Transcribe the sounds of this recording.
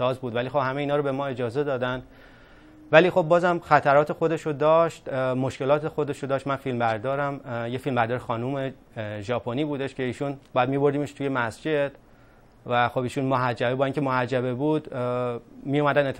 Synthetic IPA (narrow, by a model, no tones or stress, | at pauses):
ɒːzbuːd̪vælixo̞bhæmeiːnɒːɾobe̞mɒːe̞d͡ʒɒːze̞d̪ɒːd̪æn | væliːxo̞b̚ːɒːzæmxæt̪ʰæɾɒːt̪ʰexo̞d̪e̞ʃod̪ɒːʃt̪mo̞ʃke̞lɒːt̪ʰe̞xo̞d̪e̞ʃod̪ɒːʃt̪mænfilmbæɾd̪ɒːɾæmjefilmbæɾd̪ɒːɾexɒːnume̞ | ʒɒːpʰoniːbuːd̪e̞ʃcʰe̞iːʃunbɒːjæd̪mibo̞ɾd̪imeʃt̪ʰuje̞mæsd͡ʒe̞d̪̥ | væxobiːʃunmoɦæd͡ʒːæbebɒːiŋcʰʲemohæd͡ʒːæβebuːd̪ | mijumæd̪ænet̪ʰː